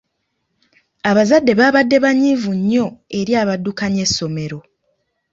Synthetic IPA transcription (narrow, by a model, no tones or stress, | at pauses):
aβazadːe̞βaːβadːe̞βaɲivuɲːo̞e̞ɾjaːβadːukaɲe̞sːo̞me̞ɾo̞